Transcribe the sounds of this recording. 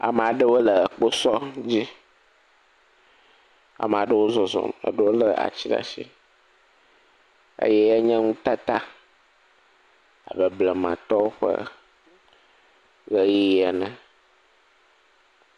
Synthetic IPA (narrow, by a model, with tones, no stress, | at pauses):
a̰˨m˨a˨ɖə˦wo˦lə˨k͡po˦sɔ˦d͡ʑi˦ | a̰˨m˨a˨ɖə˦wo˦zɔ˨zɔ̰˨m˨ə̰˨ɖə˦wo˦lə˨a̰˨t͡ɕi˦ɖa̰˨ʃi˦ | ḛ˦jɛ˦ɛ˦ɲɛ̃˦ŋũ˦t̪a˦t̪a˦ | a̰˨bə˨blə˨mã̰˨t̪ɔ˦wo˦ɸə̰˦ | ɣə˦ɣi˦ɛ˨nə̃˨